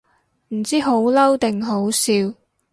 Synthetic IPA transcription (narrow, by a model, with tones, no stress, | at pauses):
m̩˨˩t͡siː˥ɦo˨˥wlɐ˥wt̪ɪ˨ŋɦo˨˥wsiː˧w